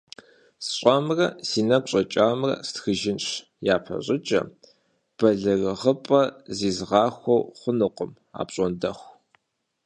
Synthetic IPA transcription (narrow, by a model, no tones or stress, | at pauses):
sɕʷʼamrɐsiːnɐɡʷɕʼɐt͡ʃʼaːmrɐ̰stxɨʒɪnɕ | jaːpʰɐ̰ɕʼɪt͡ʃʼɐ̰ | b̥ɐɮɨrɨʁəpʼɐziːzʁɑːxʷɔwχʷʊnɨqʷʊm | a̰ːpɕʼɔndɐxʷ